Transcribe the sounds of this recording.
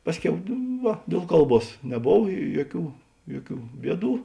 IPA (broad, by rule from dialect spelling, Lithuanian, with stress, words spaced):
ˈpɑːsʲˌkʲɛʊ ˈʋɐ dʲeːlˠ ˈkɐlˠˌbuɔs nʲɛˈboːw ˈjuɔˌkʲuː ˈjuɔˌkʲuː ˈbʲiɛˌduː